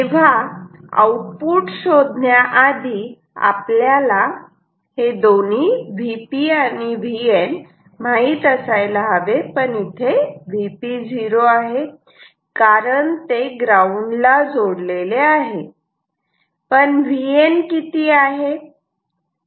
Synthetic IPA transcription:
eʋ̤aa̰wuʈ̚puʈɕod̪ʱnjaʔad̪ʱiː | a̰pljala | hed̪on̤iːʋipianiʋien | m̤aiːt̪əsajlaaʋepəɳit̪ʰeʋipid͡zʱiɾoaɦe | kaɾəɳt̪eɡɾauɳlad͡zoɽleleaɦe | pəɳʋienkit̪iːaɦe

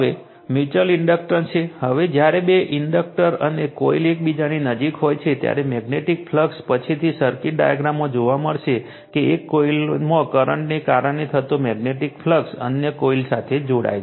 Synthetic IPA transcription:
əʋe | mjut͡ʃəlɪɳɖək̚ʈəɾt͡ʃʰehəʋed͡ʒjaɾebeʔɪɳɖək̚ʈəɾənekoilek̚bid͡ʒaninəd͡ʒikɦojt͡ʃʰet̪ja̰ɾemɛɡneʈik̚pʰləkspət͡ʃʰit̪ʰisəɾkɪʈ̚ɖa̰ja̰ɡɾamːõd͡ʒoʋaməɭʃe | keekːoilmõkəɾəɳʈnekaɾəɳnet̪ʰət̪omɛɡneʈikfʰləksə̰njəkoilsat̪ʰed͡ʒoɽa̰j

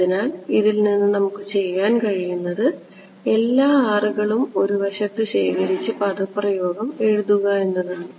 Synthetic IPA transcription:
inaːliðilninːɨnɐmukːɨt͡ɕe̞jːaːnkɐɻijunːɐðɨ | e̞lːaːaːruɣɐɭumo̞ɾuʋɐɕɐt̪ːɨɕe̞ːkɐɾit͡ɕːɨpɐðɐpːrɐjo̞ːɡɐme̞ɻuðuɣɐe̞nːɐðaːɳɨ

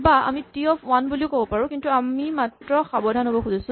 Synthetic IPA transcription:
baʔa̰mitiɔfwanbuliʊkobɔpaɹũkintuamimatɹɔxabɔdʱanɦobɔxuzasʊ̃

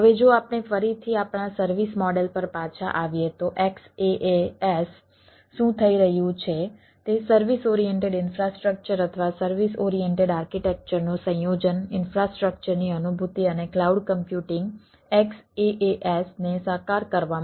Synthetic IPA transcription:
ɦəʋed͡ʒoapɳ̃efəɾit̪ʰiapɳ̃asəɾʋismɔɖelpəɾpat͡ʃʰa̰ʔaʋjet̪oʔekseʔeesː | ũt̪ʰəiɾəɦjũt͡ʃʰe | t̪esəɾʋisɔɾijeɳʈeɖɪnfɾasʈɾək̚t͡ʃəɾət̪ʰəʋasəɾʋisɔɾijeɳʈeɖaɾkiʈɛk̚t͡ʃəɾnũsə̃jod͡ʒənɪnfɾasʈɾək̚t͡ʃəɾniənubʱut̪iəneklauɖkəmpjuʈɪŋɡ | ekseʔeʔesnesəkaɾkəɾʋam

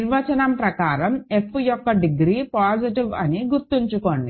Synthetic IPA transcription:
iɾʋɐt͡ʃɐnɐmpɾɐkaːɾɐme̞pʰːjɔkːɐɖiɡɾiːpaːd͡ʒiʈiʋɐniɡuɾt̪iɲt͡ʃukoɳɖi

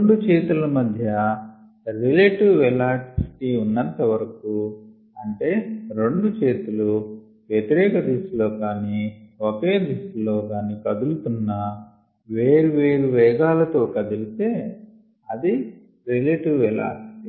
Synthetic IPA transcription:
ɳɖut͡ʃeːt̪ulɐmɐd̪ʱjɐ | ɾileʈiʋʋɛlaːsi̥ʈiunːɐnt̪ɐʋɐɾɐku | ɐɳʈe̞ːɾe̞ɳɖut͡ʃeːt̪ulu | ʋjet̪iɾɛːkɐd̪isulo̞ːkaːniːokeːd̪isulo̞ːkaːniːkɐd̪ulut̪unːɐ | ʋeːɾuʋe̞ːɾuʋɛːɡaːlɐt̪o̞ːkɐd̪ulit̪e̞ː | ɐd̪i | ɾileʈiʋʋɛla̰ːsi̥ʈi

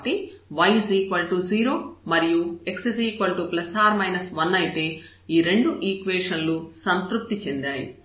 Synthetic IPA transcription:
ʈiʋɐjziːkʋɐlʈuziːɾoːmɐɾijue̞ksisiːkʋɐlʈuplɐsaːɾmɐjnɐsʋɐnːɐjit̪e̞ː | iːɾe̞ɳɖuʔiːkʋeːʂɐnlusɐnt̪ɾup̚t̪it͡ʃe̞nd̪aːjḭ

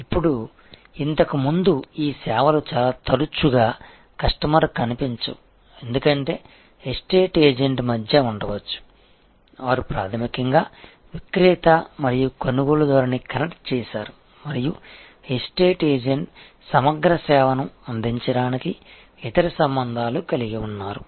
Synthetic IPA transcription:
ipːuɽu | int̪ɐkumund̪uiːsɛːʋɐlut͡ʃaːlaːt̪ɐɾut͡ʃuɡaː | kɐʂʈɐmɐɾɐkɐnipiɲt͡ʃṵ | e̞nd̪ukɐɳʈe̞ː | esʈe̞ːʈeːd͡ʒeɳʈmɐd̪ʱjɐuɳɖɐʋɐt͡ʃːu̥ | ʋaːɾipɾaːt̪ʰɐmikɐŋɡaː | ʋikɾiːt̪ɐmɐɾijukonuɡoːlɐd̪ɐːɾɐnikɐnɐkʈ̚t͡ʃɛːʃaːɾu | mɐɾiju | esʈeːʈeːd͡ʒeɳʈ | sɐmɐɡɾɐsɛːʋɐnɐmɐnd̪iɲt͡ʃɐɽaːniki | it̪ɐɾɐsɐmbɐnd̪ʱaːlukɐliɡiunːaːɾu

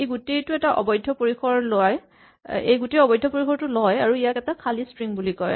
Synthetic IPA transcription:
ejɡutejtʊɛtaʔɔ̰bɔjdʱːɔpoɹixʰɔɹloaj | ḛjɡuteɔbɔjdʱɔpoɹikʰɔɹtʊlɔjaɹuijakɛtakʰalistɹiŋbulikɔ̰j

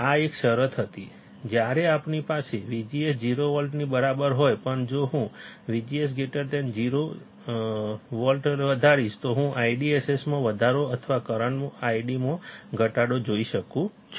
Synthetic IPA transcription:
aekʃəɾət̪ʰɦət̪i | d͡ʒjaɾeapnipaseʋid͡ʒiesd͡ʒiɾoʋɔlʈnibəɾabəɾɦojpəɳd͡ʒoɦũʋid͡ʒies̬ɡeʈəɾʈend͡ʒiɾo | ʋɔlʈəɾʋəd̪ʱaɾiʃt̪oɦũʔaiɖiesesmãʋəd̪ʱaɾoət̪ʰəʋakəɾəɳmõaiɖimõɡʱəʈaɽod͡ʒoiʃəkũ | t͡ʃʰ

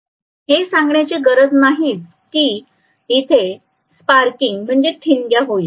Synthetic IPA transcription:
ɦesãŋɡɳjat͡ɕiɡəɾəd͡znaɦiːt̪̚ | kiː | it̪ʰe | spaɾkiŋɡm̤əɳd͡zeʈʰinɡjaɦoi

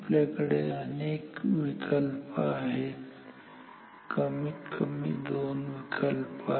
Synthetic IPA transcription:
plekɽeneːkwikʰəlpaːɦe | kɐmikʰəmḭd̪oːnwikʰəlpaː

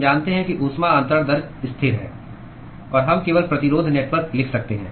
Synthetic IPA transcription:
d͡ʒaːnt̪eɦɛ̃kiʔʊsmaə̃nt̪ɾəɾd̪ɐɾɡɪst̪ʰɪɾɦɛ̰ː | ɔːɾɦɐmkeːʋəlpɾɐt̪ɪɾoːd̪ʱneːʈʋəɾklɪkʰsɐk̚t̪eɦɛ̃ː

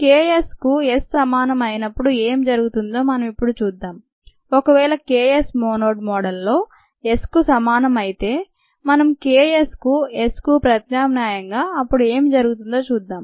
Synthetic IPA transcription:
keːjeskuesːɐmaːnɐmɐjinɐpːuɽue̞ːmid͡ʒɐɾuɡut̪und̪o̞ːmɐnɐmipːuɽut͡ʃuːd̪ːaːm | ɔkɐʋɛːlɐkeːesmoːnoːɖmɔːɽɐlːo̞ː | e̞skusɐmaːnɐmɐjit̪e̞ː | mɐnɐmkeːjeskue̞skupɾɐt̪naːmnaːjɐŋɡaːɐpːuɽue̞ːmid͡ʒɐɾuɡut̪und̪o̞ːt͡ʃuːd̪ːaːm

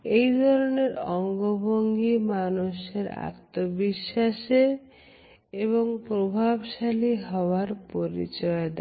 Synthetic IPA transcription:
ejd̪ʱɔɾoneɾɔŋɡobʱoŋɡimanuʃeɾa̰t̪ːobiʃːaʃe | eβoŋpɾobʱabʃaliɦɔoaɾpoɾḭt͡ɕɔed̪ɛ

